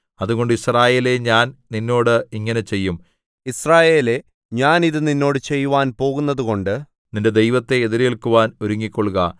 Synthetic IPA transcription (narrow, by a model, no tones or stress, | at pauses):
ɐðuɣo̞ɳɖɨisraːje̞ːle̞ɲaːnninːo̞ːɽɨiŋːɐne̞t͡ɕe̞jːum | israːje̞ːle̞ | ɲaːniðɨninːo̞ːɽɨt͡ɕe̞jːuʋaːnpo̞ːɣunːɐðuɣo̞ɳɖɨ | ninde̞d̪e̞jʋɐt̪ːe̞ːðiɾjeɭkuʋaːno̞ɾuŋːikʲːoɭɣɐ